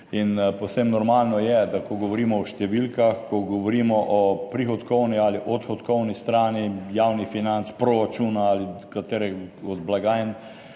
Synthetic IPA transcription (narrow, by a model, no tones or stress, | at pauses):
inpowsemnɔɾmaːlnɔjɛd̪akɔɡɔʋɔɾiːmɔɔʃt̪ɛʋilkaxkɔɡɔʋɔɾiːmɔʔɔpɾixɔt̪kɔwnialiʔɔt̪xɔt̪kɔwnist̪ɾaːnijawnifinant̪spɾɔɾat͡ʃunaalikat̪eːɾɛɔd̪blaɡaːjn